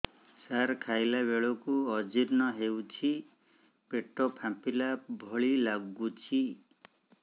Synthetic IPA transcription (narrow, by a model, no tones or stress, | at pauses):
saɾkʰajlabeɭɔkuɔd͡ʒiɾnɔɦewt͡ʃʰi | peʈɔpʰãmpilabʱɔɭilaɡut͡ʃʰi